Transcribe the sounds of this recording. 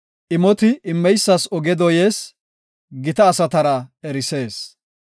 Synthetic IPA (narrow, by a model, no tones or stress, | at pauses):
ʔɪmɔt̪ɪʔɪmːɛjsːɐsɔɡɛd̪ɔje̞ːs | ɡɪt̪ɐːsɐt̪ɐɾɐɛɾɪse̞ːs